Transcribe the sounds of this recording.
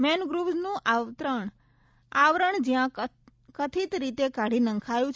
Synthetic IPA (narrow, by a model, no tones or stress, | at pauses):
mɛnɡɾuʋznũʔaʋt̪ɾəɳ | aʋɾəɳd͡ʒjã | kət̪ʰit̪ɾit̪ekaɽinə̃ŋkʰajũt͡ʃʰ